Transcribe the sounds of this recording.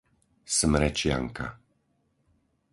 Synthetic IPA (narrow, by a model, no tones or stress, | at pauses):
smɾɛt͡ʃja̰ŋka̰